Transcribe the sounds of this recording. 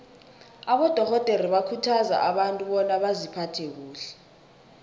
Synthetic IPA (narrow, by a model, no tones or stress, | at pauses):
aɓɔd̥ʱɔɣɔtʼeriɓakʰutʰaza̰ʔaɓantʼuɓɔnaɓazipʰatʰɛk̬uːɬɛ̥